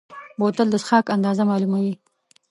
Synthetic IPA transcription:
bot̪əld̪əsxɑkand̪ɑzamɑlumawi

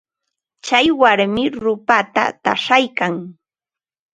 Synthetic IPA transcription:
t͡ʃajwaɾmɪɾʊpat̪a̰t̪a̰ʂajkaŋ

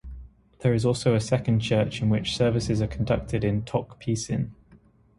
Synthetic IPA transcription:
ðəɹɪzɔˑlˠsəʊəsɛkə̃nd̚t͡ʃʰɜˑt͡ʃɪ̃nwɪt͡ʃsɜːvɪsɪzəkʰə̃ndʌk̚tʰɪdɪ̃ntʰɒkpʰiˑsɪ̰̃n

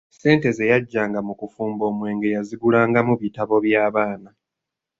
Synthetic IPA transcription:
se̞ːnte̞ze̞jaɟːaːŋɡamukufuːmbo̞ːmwe̞ːŋɡe̞jaziɡulaːŋɡamuβitaβo̞βjaːβaːna

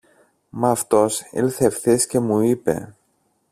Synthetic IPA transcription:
mɐft̪o̞sḭlθefθisce̞muipe̞̰

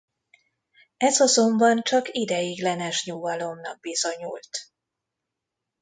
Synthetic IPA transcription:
ɛzɒzombɒnt͡ʃɒkid̪ɛjiɡlɛnɛʃɲuːvɒlo̞mnɒɡ̚biz̥oɲult̪

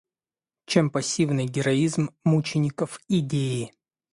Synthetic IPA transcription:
t͡ɕempɐsʲːivnɨjɡʲɪɾɐizmːut͡ɕɪnʲɪkəfɪdʲeɪ

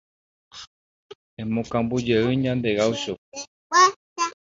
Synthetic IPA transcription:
ẽmõkãmbud͡ʒeɨɲãnd̪e̞ɣawʃo | wa | a

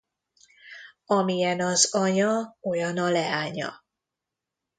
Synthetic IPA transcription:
ɒmijɛnɒzɒɲɒo̞jɒnɒlɛaːɲɒ̰

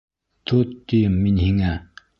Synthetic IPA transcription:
t̪ʰot̪ːimiɲhiŋa

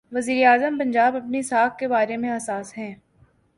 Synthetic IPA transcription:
ʋɐziːɾeaːzəmpɐ̃ɲd͡ʒaːbɐpnesaːkkːebaːɾemẽɐsaːsɦɛ̃ː

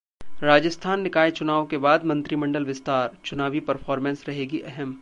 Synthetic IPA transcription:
ɾaːd͡ʒəst̪ʰaːnːɪkaːet͡ʃʊnaːʋõkebaːd̪mɐ̃nt̪ɾimɐ̃ɳɖəlʋɪst̪aːɾt͡ʃʊnaːʋipɐɾfʰɔːɾmɛ̃nsɾɐɦeːɡiʔɛɦɛm

